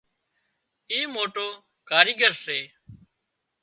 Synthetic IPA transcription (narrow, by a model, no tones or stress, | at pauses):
iːmoːʈoː | kaːɾiːɠəɾseː